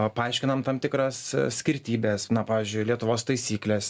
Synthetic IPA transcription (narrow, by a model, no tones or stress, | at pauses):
pɐɐɪʃʲkʲɪnɐmt̪ɐmt̪ʲɪkɾɐssʲkʲɪɾʲt̪ʲiːbʲesnɐpɑːʋʲɪːzʲd͡ʒʲʊɪlʲiɛt̪ʊʋoːst̪ɐɪsʲiːklʲes